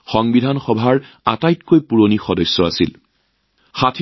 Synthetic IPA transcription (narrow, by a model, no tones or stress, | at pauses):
xɔŋbidʱanxɔbʱaɹ | atajtkojpuɹonixɔdɔsːɔasil | xatʰ